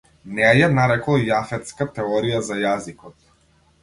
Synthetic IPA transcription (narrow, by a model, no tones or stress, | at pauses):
nɛɛjanaɾɛklˠjafɛt̪skat̪ɛɔɾijazajazikɔt̪